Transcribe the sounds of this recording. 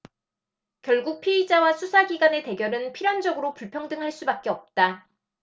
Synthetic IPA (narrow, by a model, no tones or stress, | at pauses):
kjʌ̹ɭɡuk̚pʰiid͡ʑawasʰusʰaɡiɡane̞te̞ɡjʌɾɯnpʰiɾjand͡ʑʌɡɯɾopuɭpʰjʌŋdɯŋɦaɭs͈ubak͈̚e̞ʌp̚t͈a